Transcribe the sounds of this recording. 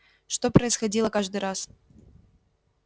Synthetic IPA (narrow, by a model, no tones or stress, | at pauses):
ʂt̪opɾəɪsxɐdʲilˠəkaʐd̪ɨɾʔas